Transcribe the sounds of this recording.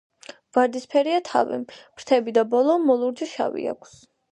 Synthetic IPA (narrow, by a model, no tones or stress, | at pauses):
vaɾd̪ispʰɛɾiat̪ʰa̰vḭm̥ɾ̥t̪ʰɛbid̪abɔlˠɔmɔlˠuɾd͡ʒiʃa̰vḭa̰kʷʰs